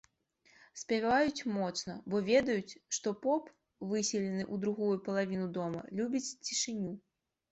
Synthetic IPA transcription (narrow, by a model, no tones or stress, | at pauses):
sʲpʲavajut͡sʲmɔt̪snɐbɔvʲɛd̪ɐjut͡sʲʂt̪ɔpɔp | vɨsʲɛlʲɛnɨʔud̪ɾuɣujupɐlˠavʲinud̪ɔmɐ̰lʲubʲit͡sʲt͡sʲiʂɨnʲu